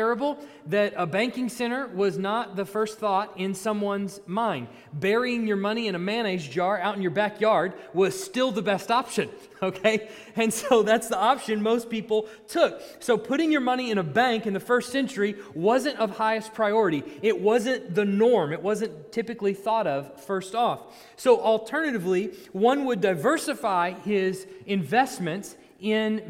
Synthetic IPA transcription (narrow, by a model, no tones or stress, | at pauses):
ɛɹɨbl̩ˠ | ðɨɾəbæ̃ŋkɪ̃ŋsɛ̃ɾ̃ə˞wʌznət̪̚ðɨfɜ˞st̪θɔɾɪ̃nsʌ̃mwʌ̃nzmãɪ̃nd̚ | bɛɹiɪ̃ŋjə˞mʌɾ̃iɨ̃ñɨmæ̃ñeɪd͡ʒd͡ʒɑɹaʊɾn̩jə˞bækjɑɹd̚wʌz̥stɪlˠðəbɛstɑpʃɨ̃n | oʊkʰeɪ | ɨ̃nsoʊðætsðiɑpʃɨ̃nmoʊspipl̩ˠ | tʰʊk̚soʊpʰʊɾɪ̃ŋjə˞mʌñiɨ̃ɾ̃əbæ̃ŋkɨ̃nðɨfɜ˞stsɛ̃nt͡ʃə˞iwʌzɨ̃ntʌv̥haɪɨspʰɹ̥aɪɔɹɨɾiɪt̚wʌzɨ̃nðɨnɔɹmɨʔ̚wʌzɨ̃ntʰɪpɨkliθɔɾʌv̥fɜ˞stɔf | soʊʔl̩ˠtʰɜ˞nɨɾɨvliwʌ̃nwədaɪvɜ˞sɨfaɪɪzɨ̃ɱvɛstmɨ̃nts | ɪ̃n